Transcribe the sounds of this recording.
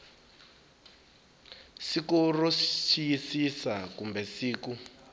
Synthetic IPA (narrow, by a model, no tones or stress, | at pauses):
sikurost͡ʃʰijisisakumbɛsiːku